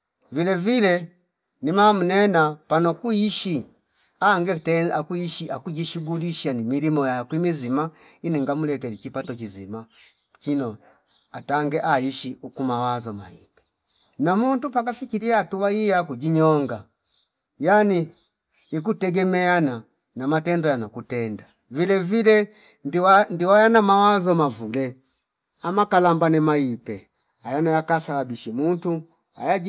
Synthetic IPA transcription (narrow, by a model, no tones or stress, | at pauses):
vilɛvilɛ | nimamunɛnapanɔkuiʃi | aŋɡɛtɛakuiʃiakuɟiʃuɡuliʃanimilimɔjakwimizima | iniŋɡamulɛtɛlikipatɔkizima | kinɔ | ataŋɡɛʔaiʃiukumawazɔma̰ḭbɛ | namuntupakafikiliatuwaijakuɟiɲɔŋɡa | janiː | k̬utɛɡɛmɛana | namatɛndɔjanakutɛnda | vilɛvilɛ | ndiwajanamawazɔmavulɛ | amakalambanɛmaipɛ | ajanajakasalabiʃimuntu | a̰ja